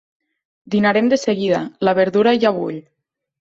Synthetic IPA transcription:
d̪inaɾemd̪əseɣiðalaβəɾðuɾaʒaβṵʎ

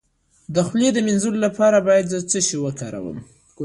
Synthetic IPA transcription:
d̪əxljed̪əmɪnzullapɑɾabɑjad̪zət͡səʃiwəkɑɾa̰wə̰m

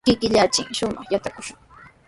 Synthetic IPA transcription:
kɪkɪʎat͡ʃɪŋʃʊmɑ̰χjat̪akʊʃʊŋ

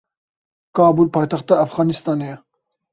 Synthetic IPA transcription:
kɑːbulpʰɑːjt̪ɐxt̪ɑːfɣɑːnist̪ɑːnej

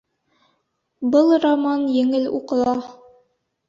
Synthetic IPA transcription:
bɤlˠramɑnjɘ̆ŋɘlṵqɤ̆lˠɑ

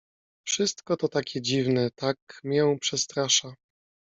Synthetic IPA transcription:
fʂɘst̪kɔt̪ɔt̪akʲɛd͡ʑivnɛt̪akmʲjɛw̃pʂɛst̪ɾaʂa

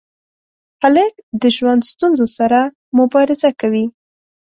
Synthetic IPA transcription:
xaləkd̪əʒwand̪st̪unzosaɾa | mʊbɑɾɪzakawi

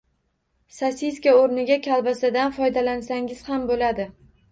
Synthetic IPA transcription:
sasiskʲaoɾnɪɡʲakʲʰalˠbasɪd̪anfɒjd̪alansaŋɪz̥hambolad̪ɪ

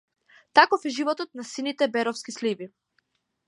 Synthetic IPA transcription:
t̪akɔfɛʒivɔt̪ɔt̪nasinit̪ɛbɛɾɔfskislibi

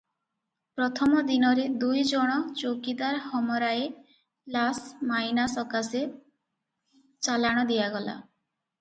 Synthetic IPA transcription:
pɾɔt̪ʰɔmɔd̪inɔɾed̪ujd͡ʒɔɽ̃ɔt͡ʃokid̪aɾhɔmɔɾae | lasmajnasɔkase | t͡ʃalaɽ̃ɔd̪ijaɡɔla̰

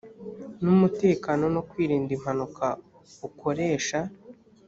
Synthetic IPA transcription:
numute̞ːkaːno̞no̞kwiːɾiːndim̥hanuka | ukʰo̞ɾe̞ːʃa

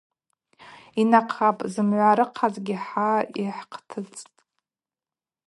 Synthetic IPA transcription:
inaqʰapʼzɨmʕʷaɾɨqʰazɡʲiħaiħqʰtʰɨt͡sʼtʼ

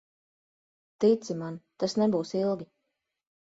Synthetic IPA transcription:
t̪it̪simant̪asnɛbuːsilˠɡʲi

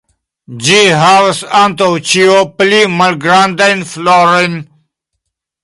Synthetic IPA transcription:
d͡ʑiɦaːwsant̪owt͡ɕijoplimɐlɡɾaːnd̪ɐjnfloːɾen

